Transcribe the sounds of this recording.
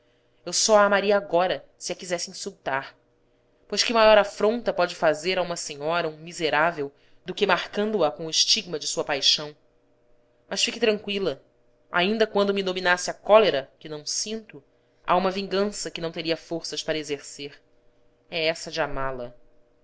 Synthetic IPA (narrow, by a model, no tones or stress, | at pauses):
ewsɔaːmaɾiɐːɡɔɾɐsɪɐkizɛsɪĩsuwt̪aɾ | pojʃkɪmajɔɾafɾõnt̪ɐpɔd͡ʒɪfazeɾaũmɐseɲɔɾɐũmizeɾavew | d̪ʊkɪmaχkɐ̃nd̪ʊɐkõʊɪʃt͡ʃiɡ̚mɐd͡ʒɪsuɐpajʃɐ̃w̃ | mɐʃfikɪt̪ɾɐ̃ŋkwilɐ | a̰ĩnd̪ɐkwɐ̃nd̪ʊmɪd̪ominasɪɐkɔleɾɐkɪnɐ̃w̃sĩnt̪ʊ | a̰ũmɐvĩŋɡɐ̃sɐkɪnɐ̃w̃t̪eɾiɐfoɾsɐʃpaɾɐezeɾseɾ | ɛɛsɐd͡ʒɪamalɐ